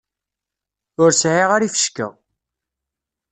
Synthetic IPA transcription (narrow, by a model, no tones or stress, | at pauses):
ʊɾsʕiʁaɾifə̥ʃkə̰